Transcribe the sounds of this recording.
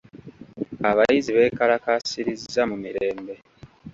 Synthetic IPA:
aβajiziβe̞ːkaɾakasiɾizamumiɾe̞ːmbe̞

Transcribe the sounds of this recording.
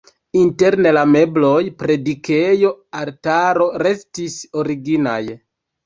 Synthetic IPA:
inte̞ɾnelame̞blojpɾe̞dikejo̞altaɾo̞ɾe̞stisoɾiɡina̰j

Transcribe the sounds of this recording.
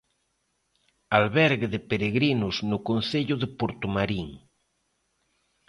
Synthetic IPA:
alβɛɾɣeðepeɾeɣɾinʊznʊkonθeʎʊðepoɾt̪omaɾiŋ

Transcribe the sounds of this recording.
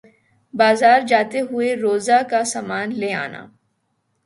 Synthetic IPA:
baːzaːɾd͡ʒaːt̪eɦʊeɾoːzakasaːmaːnlea̰ːna̰ː

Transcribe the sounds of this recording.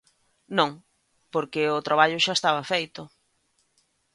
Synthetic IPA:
nõŋ | poɾkɪʊt̪ɾaβ̞aʎʊʃaest̪aβɐfejt̪ʊ

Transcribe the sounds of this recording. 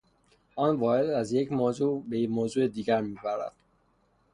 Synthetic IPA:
ʔɒːnvɒːɾe̞d̪æzje̞cʰmoːzuːbemoːzuːed̪iːɡæɾmiːbæɾæ̰d̪̥

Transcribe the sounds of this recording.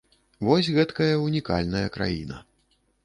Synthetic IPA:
vɔsʲɣɛt̪kɐjɐunʲika̰lʲnɐjɐkɾa̰jḭnɐ̰

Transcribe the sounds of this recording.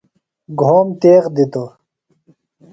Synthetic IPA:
ɡʱoːmt̪eːɣd̪it̪o

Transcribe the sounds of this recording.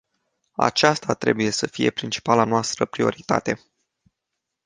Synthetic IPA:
a̰t͡ʃast̪at̪ɾe̞buje̞səfije̞̰pɾint͡ʃi̥palanoast̪ɾəpɾio̞ɾit̪a̰t̪e̞

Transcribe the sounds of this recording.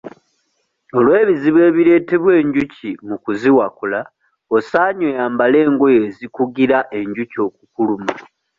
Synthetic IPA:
o̞lwe̞ːβiziβwe̞ːβiɾe̞ːte̞βwe̞ːɲɟucimukuziwakula | o̞saːɲojaːmbale̞ːŋɡo̞jezikuɡiɾaʔe̞ɲɟuco̞ːk̚ukuluma

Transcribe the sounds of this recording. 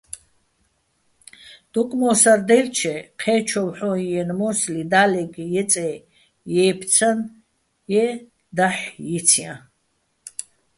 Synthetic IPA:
d̪̥ukʼmɔsaɾd̪ɛlt͡ʃʰɛqʰɛːt͡ʃʰɔwħɔjɛnmɔslid̪alɛɡjɛt͡sʼɛ | jɛːpʰt͡sʰan | jɛ | d̪aħjit͡sʰiã

